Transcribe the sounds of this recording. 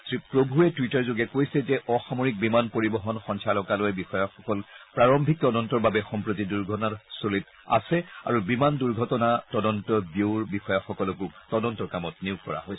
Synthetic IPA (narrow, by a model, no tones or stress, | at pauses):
sɹipɹobʱuɛtwitaɹzoɡɛkojsɛzɛʔɔxamoɹik̚bimanpoɹibɔɦɔnxɔnsʰalɔkalojɛbixɔjaxɔkɔlpɹaɹɔmbʱik̚tɔdɔntɔɹbabɛxɔmpɹotiduɹɡʱɔtɔnaɹsolit | a̰sɛa̰ɹubimanduɹɡʱɔtɔnatɔdɔntɔbjoɹbixɔjaxɔkɔlɔkuktɔdɔntɔɹkamɔt̚niukkɔɹa̰ɦojs